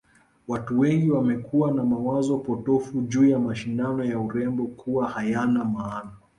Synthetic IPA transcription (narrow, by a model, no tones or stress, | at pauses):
watuwɛŋɡiwamɛkuwanamawazɔpɔtɔfuʄuːjamaʃindanɔjauɾɛmbɔkʰuwahajanamaːna